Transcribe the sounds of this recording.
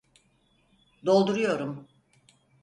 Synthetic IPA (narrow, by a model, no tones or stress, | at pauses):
d̪o̞lˠd̪uɾujo̞ɾum